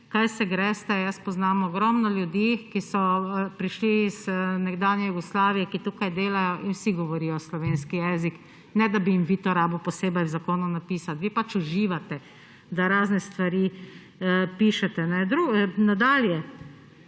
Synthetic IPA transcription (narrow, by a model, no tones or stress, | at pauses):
kajsɛɡɾɛːst̪ɛjəspɔznaːmɔɡɾɔmnɔljud̪jikisɔpɾiʃliːz̥nɛɡd̪aːnjɛjuɡɔslaːʋijɛkit̪ukajd̪eːlajɔʔinwsiɡɔʋɔɾiːjɔslɔʋeːnskijɛzik | nɛd̪abijimʋiːt̪ɔɾaːbəwpɔseːbɛjwzakoːnunapiːsat̪ʋiːpat͡ʃuʒiːʋat̪ɛ | d̪aɾaːznɛst̪ʋaɾiː | piːʃɛt̪ɛnɛd̪ɾunad̪aːljɛ